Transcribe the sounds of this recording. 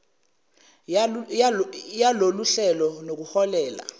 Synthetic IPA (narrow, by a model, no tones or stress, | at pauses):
jaloluɬɛlɔnok̬uhɔlɛːla̰